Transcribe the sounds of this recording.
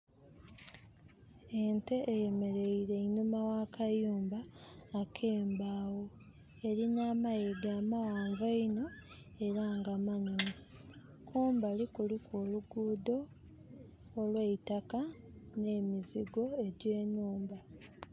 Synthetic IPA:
ente̞ʔːjeme̞ɾe̞iɾe̞inumawaːkʰajuːmbaːkʰe̞ːmbaːwo̞ | e̞ɾinaːmajeɡaːmawaːɱvaino̞ | e̞ɾaːŋɡamanume | kʰuːmbalikulikoluɡuːdo̞ | lweitakane̞ːmiziɡo̞e̞ɟeːnuːmba

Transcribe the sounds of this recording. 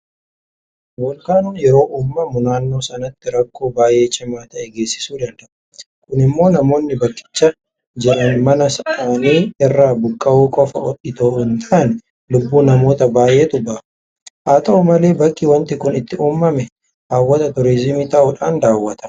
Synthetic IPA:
wɔlkaːnʊːnjɛɾo̞ːʔuːmːɐmʊnaːnːo̞ːsɐnɐt̪ːɪɾɐkːo̞ːbaːjʔe̞ːt͡ʃːɪmaːt̪ɐʔɛɡeːsːɪ̥suːd̪ɐnd̪ɐʔʊ̥ | kʊnɪmːo̞ːnɐmo̞ːnːɪbɐkʼːɪ̥t͡ʃːɐ | d͡ʒɪɾɐnmɐnɐsaːniːɛrːaːbʊkʼːɐuːkʼɔfɐ̰ʔɔᶑɪt̪oːhʊnt̪ʰɐʔnɛ | lʊbːuːnɐmo̞ːt̪ɐbaːʔe̞ːt̪ʊbɐ | ʔaːt̪ɐʔʊmɐle̞ːbɐkʼːiwɐnt̪ɪkʊnɪt̪ːɪʔuːmːɐmɛ | haːwːɐt̪ɐt̪ʊɾɪzɪmit̪ɐʔʊᶑaːnd̪aːwːɐt̪ɐ̥

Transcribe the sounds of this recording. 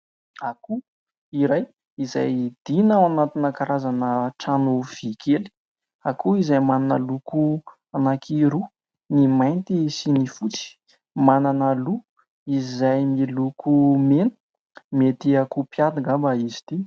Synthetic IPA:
aku | iɾaj | iza̰jd̪̥inawanat̪inakaɾazanəʈ͡ʂanuv̥ikʰeli̥ | akuizajmananə̰luku | anakʰiɾu | nimajnt̪isinifut͡si̥ | mananəlu | izajmilukʰumenə̥ | met̪iakupjad̪iŋabaizi̥t̪i

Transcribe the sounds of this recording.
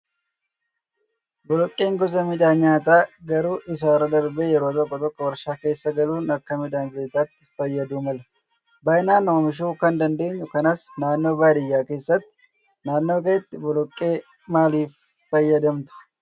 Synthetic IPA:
bɔlɔkʼːe̞ːŋɡɔzɐmɪᶑ̪aːnɲːaːt̪aːɡɐɾuːʔɪs̬aːɾɐd̪ɐɾbeːjɛɾoːt̪̬ɔkːɔt̪ɔkːɔwɐɾʃaːke̞ːsːɐɡɐluːnɐkːɐmɪᶑ̪aːnzejt̪aːt̪ːɪfɐjːɐd̪uːmɐlɐ | bɐjɪnaːnːoːmɪʃ̬uːkɐnd̪ɐnd̪e̞ːɲːʊkɐnɐsnaːnːo̞ːbaːd̪ɪjːaːke̞ːsːɐt̪ːɪ̥ | naːnːo̞ːk̬ɐɛt̪ːɪbɔlɔkʼːe̞ː | maːliːf | fɐjːɐd̪ɐmt̪ʊ̥

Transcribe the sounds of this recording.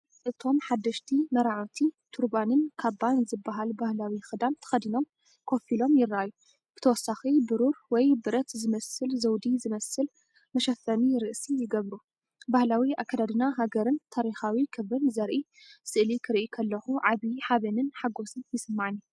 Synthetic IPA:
ʔɨt̪ʰo̞mħad̪ːɐʃt̪ʰimɐɾaʕot̪ʰit̪ʰuɾbanɨnkʰabanzɨbːaɦalbahlawixɨd̪ant̪ʰɐ̥xɐd̪ino̞m | kʰo̞filo̞mjɪrːaʔaju | b̥ɨ̥t̪ʰɐwɔsːaxibɨɾuɾwɔjbɨɾɐt̪zɨmɐsɨlzɐwd̪izɨmɐsɨl | mɐʃɐfɐniɾɨʔsijɪɡɐβɾu | bahlawiʔakʰːad̪ad̪ɨnaɦaɡɐɾɨnt̪ʰaɾixawikʰɨβɨnzɐɾʔi | sɨʔlikʰɨɾʔikʰɐlːɐxuʕaβiħaβɐnɨnħaɡo̞sɨnjɪsɨmːaʕnːu

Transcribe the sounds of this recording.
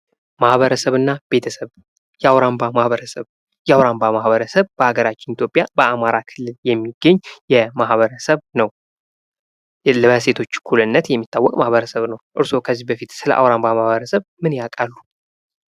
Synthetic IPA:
mahβəɾəsəβɨnːab̥e̞t̪ʰəsəβ | jɛawɾambamahβəɾəsəβ | jɛawɾambamahβəɾəsəβb̥əhaɡəɾat͡ʃːɪnit̪ʰjo̞pʼjabəamaɾakʰɨlːɨljɛmːiɡ̥ːəɲːjɛmahβəɾəsəβnəw | lse̞t̪ʰo̞t͡ʃːkʰulɨnːət̪jɛmːit̪ːawːɔkʼmahβəɾəsəβnəwʔɨɾso̞kʰəzːihbəfit̪sɨlə̰ʔa̰wɾambamahβəɾəsəβmɨnjakʼalːu

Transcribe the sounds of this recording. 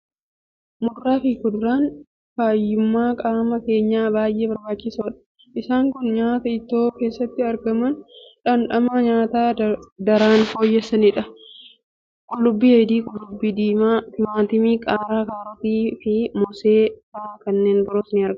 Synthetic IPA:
mʊrːaːfɪkʊd̪ɾaːn | faːjːʊmːaːkʼaːmɐke̞ːɲːaːbaːjʔe̞ːbɐɾbaːt͡ʃːɪsoːᶑɐ̥ | ʔɪsaːŋkʊnɲaːt̪ɐɪt̪ːoːke̞ːsːɐt̪ːɪɐɾɡɐmɐnᶑɐnᶑɐmaːɲaːt̪aːd̪ɐɾaːnfo̞ːjːɐsɐnɪᶑɐ | kʼʊlːʊbːiːhɛd̪iːkʼʊlʊbːid̪iːmaːt̪ɪmaːt̪ɪmiːkʼaːɾaːkaːɾɐt̪iːfɪmɔse̞ːfaːkɐnːe̞ːnbɪɾoːsnɪɐɾɡɐ

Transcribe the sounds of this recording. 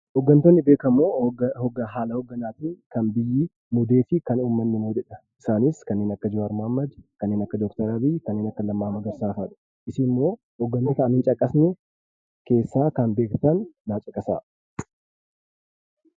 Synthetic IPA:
hɔɡːɐnt̪onːɪbeːkɐmːoːɔɡɐɦaːlɐhɔɡːɐnaːt̪iːŋkɐnbɪjːɪ | mʊd̪e̞ːfɪkɐnuːmːɐnːɪmoːd͡ʒ̪ɛᶑɐʔɪsaːnɪskɐnːeːnɐkːɐd͡ʒɪɾʊɐɾmhɐmːɐd̪kɐnːe̞ːnɐkːɐd̪ɔkt̪ɐɾɐbikɐnːeːnɐkːɐlɐmːaːmɐɡɐɾsaːfɐᶑɐ̥ | ʔɪsɪmːo̞ː | hɔɡːɐnːet̪ɐʔɐnɪnt͡ʃʼɐkʼːɐsnɛ | ke̞ːsːaːkɐnbe̞ːkt̪ɐnːaːt͡ʃʼɐkʼːɐsa̰ː

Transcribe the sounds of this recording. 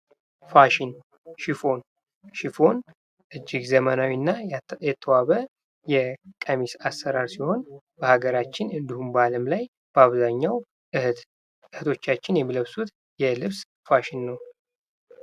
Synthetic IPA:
faʃin | ʃifo̞n | ʃifo̞n | ʔɨd͡ʒːɪɡzəmənawinːajɛt̪ʰːəwaβə | jɛkʼəmisasːəɾaɾsiho̞n | b̥əhaɡəɾat͡ʃːɪnɨnd̪ihumbəaləmlaj | b̥əaβzaɲːaw̪ | ɨht̪ʰo̞t͡ʃːat͡ʃːɪnjɛmːiləβsut̪ | jɛlɨβs | faʃinːəw

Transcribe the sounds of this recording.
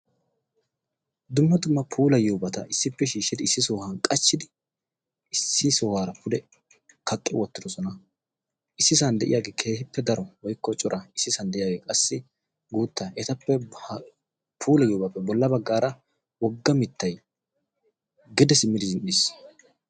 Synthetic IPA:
d̪ʊmːɐd̪ʊmːɐpʰuːlɐjoːbɐt̪ɐʔɪsːɪpːɛʃiːʃːɪd̪ɪɪsːɪsoːhaːnkʼɐt͡ʃːɪd̪ɪ | sːɪsoːhaːɾɐpʊd̪ɛ | kʰɐkʼːɛwɔt̪ːɪd̪ɔsɔnɐ | ɪsːɪsɐnd̪ɛʔɪ̰jaːɡeːkʰe̞ːhɪpːɛd̪ɐɾɔwɔjkːɔt͡ʃʼʊɾʔɐɪsːɪsɐnd̪ɛʔɪjaːɡeːkʼɐsːɪ | ɡuːt̪ːɐɛt̪ɐpːɛ | pʰuːlɐjoːbɐpːɛbɔlːɐbɐɡːaːɾɐ | wɔɡːɐmɪt̪ːɐj | ɡɪd̪ɛsɪmːɪd̪ɪzɪnːiːs

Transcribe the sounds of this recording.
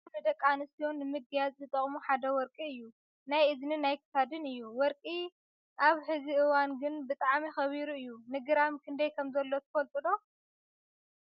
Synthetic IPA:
nɨd̪ɐkʼːanɨsijonːɨmɨɡjazʼzɨt̪ʼɐχʼmuħad̪ɐwɔɾkʼiɨjːu | najʔɨznɨnajkʰɨ̥t̪ad̪ɨnɨjːuwɔɾkʼi | ʔaβħɨziʔɨwanɡɨnbɨt̪ʼaʕmixɐβiɾuɨjːunɨɡɨɾamkʰɨnd̪ɐjkʰɐmzɐlːo̞t̪ʰɨfɐlt̪ʼɨlo̞

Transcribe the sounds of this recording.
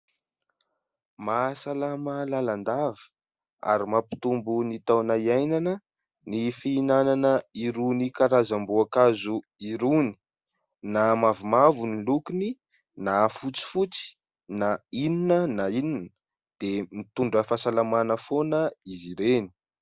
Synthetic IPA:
masalamalaland̪avə̥ | a̰ɾimapi̥t̪umbunit̪awnaiajnanə | nifiːnananəiɾunikaɾazambuakazu | iɾuni̥ | namavumavunilukini | nafut͡si̥fut͡si̥ | naininənaininə | d̪̥emit̪uɳɖ͡ʐəfasalamanəfonəiziɾeni̥

